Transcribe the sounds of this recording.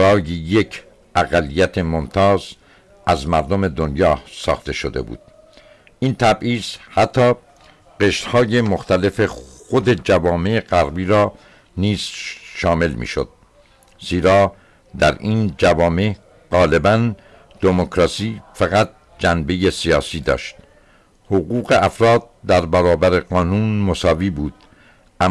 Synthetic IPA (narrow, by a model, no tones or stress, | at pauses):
ɾɒːjeje̞cʰ | ʔæɣælːijæt̪ʰemomt̪ʰɒːz | æzmæɾd̪ome̞d̪onjɒːsɒ̰ːxt̪e̞ʃod̪e̞̰bṵːd̪̥̚ | ʔiːnt̪ʰæbʔiːz̥hæt̪ʰːɒː | ɢe̞ʃt̪hɒːje̞moxt̪æle̞fe̞xod̪e̞d͡ʒævɒːme̞eɣæɾbiːɾɒː | niːz̥ʃɒːme̞lmḭːʃo̰d̪̥̚ | z̥iːɾɒː | d̪æɾʔiːnd͡ʒævɒːme̞ | ɢ̥ɒːle̞bæn | d̪̥emokʰɾɒːsiːfæɣæt̪̚ | d͡ʒænbe̞je̞siɒːsiːd̪ɒ̰ːʃt̪ | hoɣuːɣeʔæfɾɒːd̪̚d̪æɾbæɾɒːbæɾeɡɒːnuːnmosɒːviːbuːd̪̥̚ | ʔæ